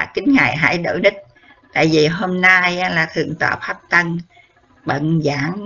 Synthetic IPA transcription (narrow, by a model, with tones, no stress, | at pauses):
kï˨˦ŋ̟ŋaː˨˩jɦa̰ː˧˥˦jɗo̰˧˨˦jɗi˦˥k̟̚ | t̪a̰ː˧˨jvi˨˩ɦo˧mna˧jlaː˨˩t̪ʰɨ˨˩əŋt̪ɔː˧˨˩p̚faː˦˥p̚t̪ə˧ŋ | ɓə̰˧˨nzaː˧˩˦ŋ